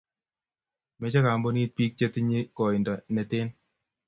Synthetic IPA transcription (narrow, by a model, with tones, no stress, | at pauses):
mɛ˦t͡ʃa˦ka˨mbo˦ni˦t̚pi˦k̚t͡ʃe˦ti˦ɲi˦kɔ˨i˨ndɔ˨nɛ˨tɪ˦n